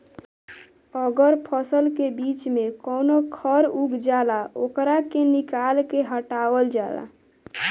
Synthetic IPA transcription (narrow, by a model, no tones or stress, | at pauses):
əɡəɾpʰəsəlkebit͡ʃmekəwnokʰəɾuɡd͡ʒalaokɾakenikalkeɦəʈabəld͡ʒala̰